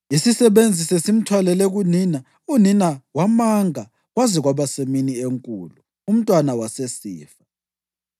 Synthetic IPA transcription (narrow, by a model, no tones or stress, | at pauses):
isisɛβend͡zʱisesim̩tʰwalɛlɛɣunina | uninawamaŋa | ɣwaziɣwaβaseminieŋkʼṵːlu | um̩tʼwanawasesḭːfḁ